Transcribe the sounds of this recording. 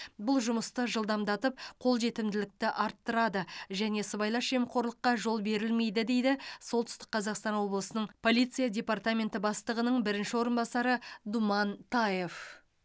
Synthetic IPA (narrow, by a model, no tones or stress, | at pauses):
bʊlˠʒʊməst̪əʒəlˠd̪ɑmd̪ɑt̪əp̚qʰo̞lˠʒe̞t̪ɪmd̪ɪlɪk̚t̪ɪʔɑɾt̪ːəɾɑd̪əʒæne̞səbɑjlˠɑʃe̞mqʰo̞ɾlˠəqːɑʒo̞lˠbe̞ɾɪlme̞jd̪ɪd̪e̞jd̪ɪso̞lˠt̪ʏ̥st̪ɪ̥k̚qʰɑzɑqst̪ɑnwo̞blˠəsənəɴpʰo̞lʲijt̪sɨjadʲe̞pɑrt̪amʲe̞nt̪ɪbɑst̪əʁənəɴbɪɾɪnʃɪwo̞ɾənbɑsɑɾəd̪umɑnt̪ʰɑje̞f